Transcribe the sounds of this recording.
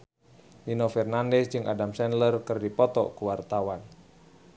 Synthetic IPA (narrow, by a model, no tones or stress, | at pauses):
ninɔfɛrnandɛsd͡ʒɨŋʔa̰damsɛnlərkɨrdipɔt̪ɔ̰kuwart̪awan